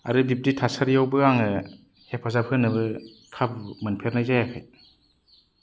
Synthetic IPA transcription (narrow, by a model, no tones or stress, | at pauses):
aɾɯbip̚titʰasaɾjawbɯaŋɯ | hepʰɔzap̚hɯnːɯbɯ | kʰabmɯnpʰeɾnajzajakʰɯ̰j